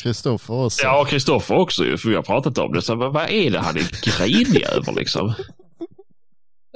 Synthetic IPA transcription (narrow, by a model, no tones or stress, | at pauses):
ɾɪst̪ɔfəjɑːkʰɾɪst̪ɔfːəɾɔksɔjɵ̰fəɾvɪhaɾpʰɾɑːt̪at̪ɔ̰md̪ɛsamanvaʔɛɖɛɦa̰nɛɡ̥ɾiːnɪø̰ːvə̰ɾlʔɪ̰ksɔ̰m